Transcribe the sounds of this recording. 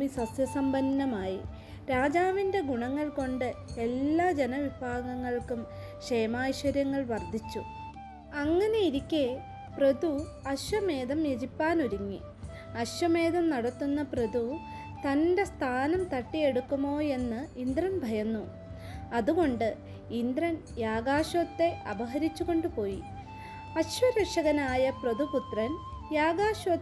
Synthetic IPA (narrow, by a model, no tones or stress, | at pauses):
misɐsjɐsɐmbɐnːɐmaːjḭ | ɾaːd͡ʑaːʋinde̞ɡuɳɐŋːɐɭko̞ɳɖɨe̞lːaːd͡ʑe̞nɐʋibʱaːɡɐŋːɐɭkum | ɕejɐmaːjɕʋɐɾjɐŋːɐɭʋɐrd̪ʱit͡ɕːu | ɐŋːɐne̞iɾikʲːe | prɐd̪u | ɐɕwɐme̞ːðɐmjet͡ɕipːaːnuɾuŋːḭ | ɐɕʋɐme̞ːðɐmnɐɽɐt̪ːunːɐprɐd̪u | t̪ɐnde̞st̪ʰaːnɐmt̪ɐʈːije̞ɽukːumo̞ːe̞nːɨind̪rɐnbʱɐjɐnːu | ɐðuɣo̞ɳɖɨ | ind̪rɐn | jaːɡaːʂɐt̪ːe̞ʔɐbɐɦɐɾit͡ɕːuɣo̞ɳɖɨpo̞ːjḭ | ɐɕʋɐɾɐkʂɐɣɐnaːjɐprɐðuput̪rɐn | jaːɣaːʂʋɐt̪